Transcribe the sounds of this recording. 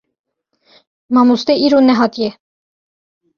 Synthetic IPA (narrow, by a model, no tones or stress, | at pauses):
mɑmust̪ɛʔiɾunːɛɦɑt̪jɛ